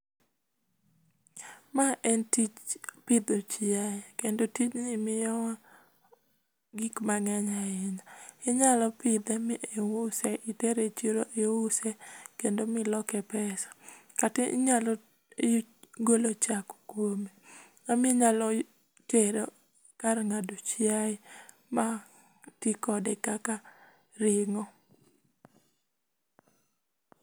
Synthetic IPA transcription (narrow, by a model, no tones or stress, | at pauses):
maʔɛntit͡ʃpɪd̪ot͡ʃiakendotit͡ʃnɪmɪjɔwa | ɡikmaŋaɲaɪɲaɪɲalɔpɪd̪ɛmɪʔewʊsɛʔɪteɾet͡ʃiɾoʔeowʊsɛkendomɪlɔkɛpɛsḁkatɪ̰ɲalɔ | jɡolot͡ʃako̥kwome | amɪɲalɔ | teɾo | karŋadot͡ʃɪaɪ | ma | tikɔdɛkaka | ɾɪŋɔ